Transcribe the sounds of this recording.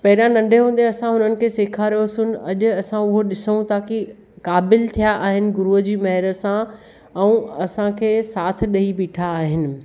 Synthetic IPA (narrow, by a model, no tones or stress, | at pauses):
pɐɦɪɾãnɐ̃ɳɖʱeɦũːnd̪eɐsãɦʊnənɪ̆kʰeːseːkʰaɾəjosʊnɪ̆ɐʄʊ̆ɐsãʊɦoɗɪsəũt̪aːki | kaːbɪlt̪ʰijaʔaːɦɪnɪ̆ɡʊɾuəd͡ʑiːmɐɦɪɾə̆sã | ɛ̃ũɐsãkʰeːsaːt̪ʰɪ̆ɗɐɦibiːʈʰaːɦɪnɪ̆